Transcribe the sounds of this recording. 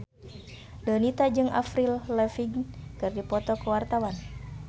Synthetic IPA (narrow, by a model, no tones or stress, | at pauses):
dənit̪ad͡ʒɨŋʔa̰fɾillɛfiɡkɨrdipɔt̪ɔkəwart̪awan